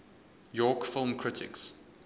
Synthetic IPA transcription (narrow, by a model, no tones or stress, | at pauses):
jɔːkfɪlˠmkʰɹ̥ɪtʰɪ̰ks